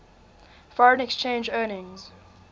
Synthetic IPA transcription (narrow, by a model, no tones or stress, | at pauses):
fɔɹə̃nɛkst͡ʃẽːnd͡ʒɜːnɪ̃ŋz̥